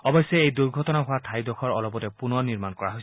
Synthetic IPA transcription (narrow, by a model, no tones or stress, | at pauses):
ɔbɔjsːɛejduɹɡʱɔtɔnaɦʊwatʰajdɔxʰɔɹɔlɔpɔtɛpunɔɹniɹmankɔɹaɦojs